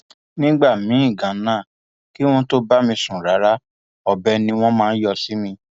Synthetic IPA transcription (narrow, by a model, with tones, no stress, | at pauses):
nĩ˦ɡ͡ba˦˨mĩ˨˦ĩ˦˨ɡã˨˦nãː˦˨ | ki˦w̃ɔ̃˦to˦ba˦mĩ˧sũ˨ɾa˨˦ɾa˦ | ɔ˧bɛ˧nĩ˧w̃ɔ̃˦mãː˦n̩˦jɔ˧si˨˦mĩ˧